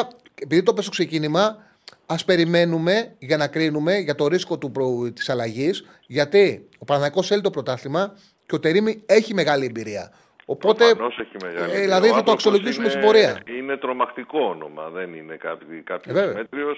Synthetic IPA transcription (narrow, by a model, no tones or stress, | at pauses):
epiðit̪opestokse̞cinimɐ | ɐspe̞ɾime̞nume̞ʝɐnɐkɾinume̞ʝɐt̪o̞ɾisko̞t̪upɾot̪i̥sɐlɐʝis | ʝɐt̪i | o̞pɐɾɐnɐiko̞selit̪o̞pɾo̞t̪ɐθimɐ | ceo̞t̪e̞ɾimie̞çime̞ɣɐliembiɾiɐ | o̞po̞t̪e̞noseçimeɣɐ̰lðilɐðiθɐt̪oɐksiolo̞sʝisumesibo̞ɾiɐinet̪ɾo̞mɐxt̪iko̞ono̰mɐ̰ðeninekɐpikɐpçvevmet̪ɾios